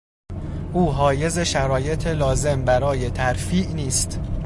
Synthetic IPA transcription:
ʔuːɦɒːje̞ze̞ʃæɾɒːje̞t̪ʰelɒːze̞mbæɾɒːje̞t̪ʰæɾfiːʔniːst̪

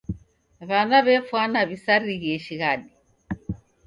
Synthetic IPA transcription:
βanaβɛfwanaβisaɾiɣiɛʃiɣaɗi

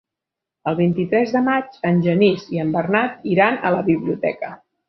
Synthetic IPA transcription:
əlˠβ̞int̪it̪ɾɛzðəmat͡ʃənʲʒəniziəmbərnat̪̚iɾanə̰ləβiβliut̪ɛ̰kə

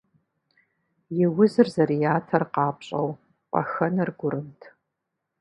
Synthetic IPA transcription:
jɪwʊzɨrzɐrijaːtʰɐrqɑːpɕʼɐ̰w | qʷʼɐ̰xɐnɐrɡʷʊɾɨmtʰ

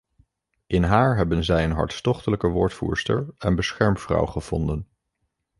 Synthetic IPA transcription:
ʔɪnɦaːɹɦɛbənzɛjənɦɑ̰ɹtstɔχtələkəʋʊːɹtfṵːɹstə̰ɹənbəsχɛɹmfrɑ̰wχəv̥ɔ̰ndən

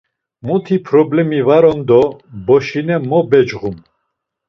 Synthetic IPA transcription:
mut̪ʰipʰɾɔblɛmivaɾɔnd̪ɔbɔʃinɛmɔbɛd͡ʒʁum

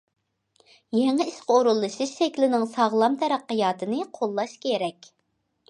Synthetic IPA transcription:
jɛŋɪiʃqəoɾulˠːɨʃɨʃʃɛkʲlɪnɪŋsɑʁlˠɑmt̪ʰɛɾæqːəjɑːt̪ʰɨnɨqʰolˠːɑʃkʲʰeɾɛkʲ

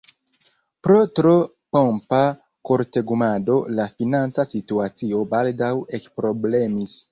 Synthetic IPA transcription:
pɾo̞tɾo | pompa | koɾte̞ɡumado̞lafinant͡sasituat͡sio̞baldawe̞kpɾo̞ble̞mis

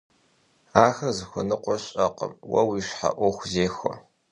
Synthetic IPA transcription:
aːxɐrzɨxʷʊnɨqʷʼʊrɕʼɐqəmwɐwiːʂħa̰ʔʷɔxʷzeːxʷɔ̰

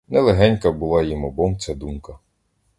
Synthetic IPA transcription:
nɛlˠeɦɛnʲkɐbʊlˠɑjimɔbɔmt͡sʲad̪umkɐ

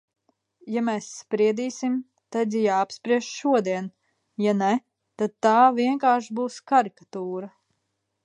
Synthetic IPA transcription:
jamɛːsːpɾiɛd̪iːsim | t̪ad̪ʲjaːpspɾiɛʃʃuɔd̪iɛn | janɛ | t̪ad̪̚t̪ːaːviɛŋkaːɾʃbuːskaɾikḁt̪uːɾa

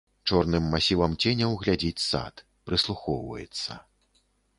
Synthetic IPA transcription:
t͡ʂɔrnɨmːasʲivɐmt͡sʲenʲɐwɣlʲad͡zʲit͡sʲsa̰t̪ | pɾɨslˠuxɔwvɐ̰jɛ̰t̪sːɐ

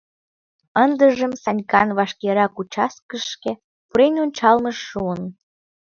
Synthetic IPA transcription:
ənd̪əʒəmsɑnʲkɑnβɑʃkeɾɑkut͡ɕɑskəʃke | puɾenonʲt͡ɕɑlməʃːuən

